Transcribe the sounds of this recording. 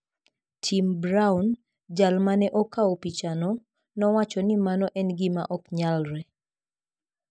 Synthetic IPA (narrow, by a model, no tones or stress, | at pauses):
tʰimbɾawn | d͡ʒalmanɛʔɔkaopit͡ʃanɔ | nɔwat͡ʃɔnimanɔʔɛnɡɪma̰ʔɔkɲalɾɛ